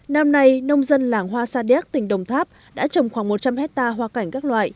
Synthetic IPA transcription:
na˧mna˧jnə˧wŋ͡mzə˧nlaː˨˩ŋɦwaː˧saː˧ɗi˧˦˥k̚t̪ï˨˩ŋ̟ɗə˨˩wŋ͡mt̪ʰaː˦˥p̚ | ɗa̰ː˧˥t͡ɕə˨˩wŋ͡mxwaː˧˩ŋmo˨˩t̚t͡ɕa˧mhɛ˦˥t̚t̪aː˧ɦwaː˧ka˨˩jŋ̟kaː˦˥k̚lwa̰ː˧˨j

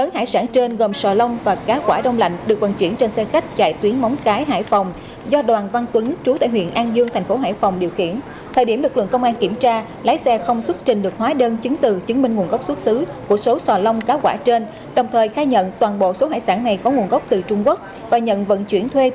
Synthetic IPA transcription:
ləː˨˦nha̰ː˧˨jsaː˧˩nt͡ɕe˧nɣo˨˩msɔ˨˩lə˧wŋ͡mvaː˨˩kaː˨˦kwaː˧˩ɗə˧wŋ͡mla̰˧˨jŋ̟ɗɨ˨˩ək̚və̰˧˨nt͡ɕwi˧˩ənt͡ɕe˧nsɛ˧xa˦˥jk̟̚t͡ɕa̰ː˧˨jt̪wi˨˦ənmɔ˨˦wŋ͡mkaː˨˦jɦa̰ː˧˨jfa˨˩wŋ͡m | zɔ˧ɗwaː˨˩nva˧ŋt̪wi˨˦nt͡ɕu˨˦t̪a̰ː˧˨jɦwḭ˧˨ənʔaː˧nzɨ˧əŋt̪ʰa˨˩jŋ̟fo˨˦ɦa̰ː˧˩˨jfɔ˨˩wŋ͡mɗi˨˩əwxḭ˧˩˨ən | t̪ʰəː˨˩jɗi˧˩əmlɨ˨˩k̚lɨ̰˧˨əŋkə˧wŋ͡mʔaː˧nki˧˩əmt͡ɕaː˧ | laː˨˦jsɛ˧xə˧wŋ͡mswt̚t͡ɕï̟˨˩ɗɨ˨˩ək̚hwaː˨˦ɗəː˧nt͡ɕɨ˨˦ŋ̟t̪ɨ˨˩t͡ɕɨ˨˦ŋmï˧ŋ̟ŋu˨˩ənɣə˦˥wk͡p̚swə˦˥t̚sɨ˨˦ku˧˩əso˨˦sɔ˨˩lə˧wŋ͡mkaː˨˦wkwaː˧˩t͡ɕe˧n | ɗə˨˩wŋ͡mt̪ʰəː˨˩jxaː˧jɲə̰˧˨nt̪waː˨˩nɓo̰˧˨so˨˦ɦaː˧˨jsaː˧˩nːa˨˩jkɔ˨˦ŋu˨˩ənɣə˦˥wk͡p̚t̪ɨ˨˩t͡ɕʊ˧ŋ͡mku˦˥ək̚ | vaː˨˩ɲə̰˧˨nvə̰˧˨nt͡ɕwi˧˩ənt̪ʰwe˧

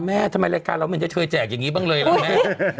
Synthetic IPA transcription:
mɛː˦˥˩t̪ʰa˧ma˧jla˧jkaː˧nɾa˧wma˧nt͡ɕa˨˩kʰɤː˧jt͡ɕɛː˨˩k̚ja˨˩ŋːiː˦˥baː˥˩ŋlɤː˧jla˦mɛ˦˥

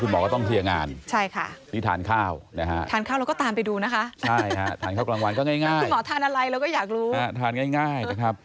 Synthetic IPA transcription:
kʰu˧nmɔː˨˦kːt̪ɔ˥˩ŋt̪ʰi˧əŋaː˧nt͡ɕʰa˥˩jkʰa˥˩miː˧˩t̪ʰa̰ː˩˦nkʰaː˥˩wna˦˥kʰa̰˦˥ʔ̪ʰaː˨˦nkʰa˥˩wɾa˧˦kɔː˥˩t̪aː˧mpa˧jduː˧na˦˥kʰa˦˥t͡ɕʰa˥˧˩jkʰa˦˥t̪ʰa˨˦nka˥˩klaː˧ŋwa˧nkɔː˥˩ŋaː˥˩jŋaː˥˩˧jnmɔː˩˦t̪ʰaː˧nʔa˧ɾa˧jɾa˧wkɔ˥˩jaː˨˩k̚ɾuː˦˥a˦˥t̪ʰaː˧nŋaː˥˩jŋaː˥˩jna˦˥˩kʰɾa˦˥p̚

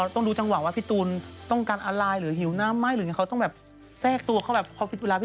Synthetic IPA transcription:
t̪ɔ˥˩ŋduː˨˦t͡ɕa˧ŋwaː˨˩˦waː˥˩pʰi˧˥˩t̪uː˧nt̪ɔ˥˩ŋkaː˧nʔaː˧laː˧jɾɯː˩˦ɦi˨˩˦wnaː˧˥˨mːaː˧˥˩jɾɯː˨˦ŋi˥˩a˧˥t̪ɔ˥˩ŋbɛː˨˩p̚ | sɛː˥˩k̚t̪u˧ɐkʰa˥˩wbɛː˨˩p̚pʰːɔ˧˥wpʰi˨t̪̚weː˧laː˧pʰː

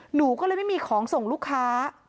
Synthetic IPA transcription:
nuː˩˦kɔː˥˩lɤː˧jma˥˩jmiː˧kʰɔː˩˦ŋso˨˩ŋluː˥˩kʰːaː˦˥

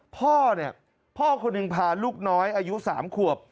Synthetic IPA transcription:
pʰɔː˥˩ni˥˩ɐ | pʰɔː˥˩kʰo˧nːɯ˧˩ŋpʰaː˧˩luː˥˩k̚nɔː˦˥jʔaː˧ju˦˥sa̰ː˩˦mkʰu˨˩əp̚

